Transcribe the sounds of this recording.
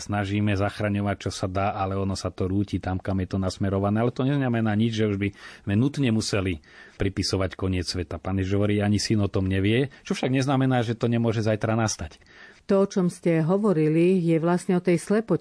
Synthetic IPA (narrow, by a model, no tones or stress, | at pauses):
snaʒiːmɛzaxɾaɲɔʋac̚t͡ʃɔsad̪aːʔalɛɔnɔsat̪ɔɾuːciːt̪amkamjɛt̪ɔnasmɛɾɔʋanɛːalɛt̪ɔɲɛznamɛnaːɲid͡ʒʒɛuʒbizmɛnut̪ɲɛmusɛlipɾipisɔʋackɔɲɪɛt͡ssʋɛt̪apaːnjɛʒiʒɦɔʋɔɾiːaɲisinɔt̪ɔmɲɛʋɪɛt͡ʃɔfʃaɡɲɛznamɛnaːʒɛt̪ɔɲɛmʊɔʒɛzajt̪ɾanast̪ac | t̪ɔɔt͡ʃɔmscɛɦɔʋɔɾilijɛʋlasɲɛɔt̪ɛjslɛpɔ